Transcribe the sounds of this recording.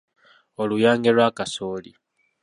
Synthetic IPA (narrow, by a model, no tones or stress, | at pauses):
olujaːŋɡelwaːkasoːli